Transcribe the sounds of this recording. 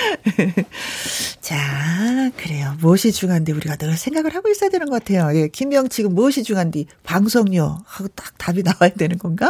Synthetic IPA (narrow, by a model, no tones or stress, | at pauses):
t͡ɕa | kɯɾe̞jomoɕʰid͡ʑuŋɦandiuɾiɡanɯɭsʰe̞ŋɡaɡɯɭhaɡois͈ʌjadwe̞nɯnɡʌk͈atʰe̞joje̞kimjʌŋt͡ɕʰiɡɯmːoɕʰid͡ʑuŋandipaŋsʰoŋɲohaɡot͈ḁk̚tabinawajadwe̞nɯnɡʌnɡa